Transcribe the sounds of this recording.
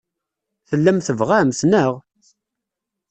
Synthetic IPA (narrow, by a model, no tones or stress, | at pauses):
θəlːæmθəvʁæmsnəʁ